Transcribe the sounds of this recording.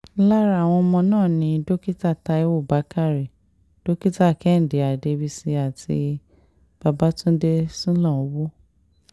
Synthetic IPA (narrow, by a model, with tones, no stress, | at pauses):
la˦ɾa˨w̃ɔ̃˧mɔ̃˧nãː˦˨nĩ˧do˦ki˦ta˦˨ta˧e˧˦wo˦˨ba˨˦ka˦˨ɾi˨ | d̥o˦ki˦ta˦˨kɛ˨˦n̩˨de˨a˨de˧bi˧si˧a˨tʰḭ˧ | b̥a˧ba˦tũ˦n̩˦de˧sũ˦lã˦˨o˨˦wo˦